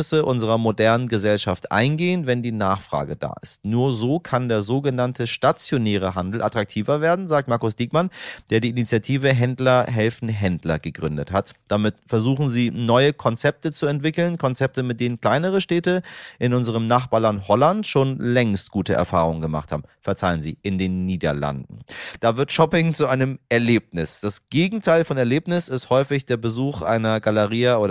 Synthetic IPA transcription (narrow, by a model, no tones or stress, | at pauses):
səʔʊnzəʁɐmodɛɐnənɡəzɛlʃaftʔa̰ɪnɡeːənvɛndiːnaːχfʁ̥a̰ːɡəd̥a̰ːʔɪstnuːɐzoːkʰandeːɐzoːɡənantʰəʃtat͡sjonɛːʁ̞əɦandl̩ʔatʁ̥ak̚tʰiːvɐveːɐdn̩zaːk̚tmaɐkʊsd̥iːk̚mand̥eːɐdiːʔinit͡sjatʰiːvəɦɛndlɐɦɛlfn̩ɦɛndlɐɡəɡʁʏndəthatd̥amɪtfɛɐzuːχn̩ziːnɔʏəkʰɔnt͡sɛp̚tət͡suɛntv̥ɪkl̩nkʰɔnt͡sɛp̚təmɪt̚d̥eːnənkl̥aɪnəʁ̞əʃtɛːtəʔɪnʔʊnzəʁ̞əmnaχb̥aːɐlanthɔlantʃoːnlɛŋst̚ɡ̥uːtəʔɛ̰ɐfa̰ːʁ̞ʊŋəŋɡəma̰χtha̰ːbm̩fɛɐt͡saɪənzḭːʔɪndeːnːiːdɐ̰la̰ndn̩d̥aːvɪɐtʃɔpɪŋt͡suʔaɪnəmʔɛɐleːp̚nɪsd̥asɡ̥eːɡŋ̩tʰaɪlfɔnɛɐleːpnɪsɪsthɔʏfɪçd̥eːɐbəzuːxʔa̰ɪnɐɡaləʁiːaʔoːɾ